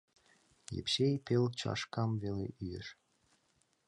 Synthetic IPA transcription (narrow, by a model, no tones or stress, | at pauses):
jḛpɕejpʲelt͡ɕɑ̰ʃkɑmvelʲḛʔyjeʃ